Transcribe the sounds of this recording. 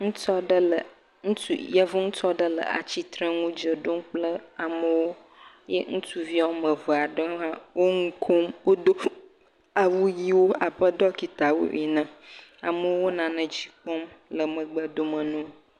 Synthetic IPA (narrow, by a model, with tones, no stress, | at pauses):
ŋũ˦tɔ˦ɖə˦lə˨ | ŋũ˦tṵ˦jɛ˦vu˦ŋũ˦t͡ʃɔ˦ɖə˦lə̰˨a̰˨t͡ɕi˦t̪ɾə˦ŋũ˦d͡ʒə˨ɖo˦m˦k͡plə˦a˨mə˦wo˦ | jḛ˦ŋũ˦tu˦vi˦a˦wo˦mə̃˨vɔ˨a˨ɖə˦ã˦wo˦ŋu˦kʰo˦mwo˦d̪o˦ | a˨wu˦ji˦wo˦a˨ɸə˦d̪ɔ˦ki˨t̪a˨wo̰˦ʔi˨nə̃˦˨a˨mə˨˦wo˦wo˦nã˨nə̃˨d͡ʑi˦kɔ˦mlə˨mə̃˨ɡ͡bə˦d̪o˦mə̃˨nũ˦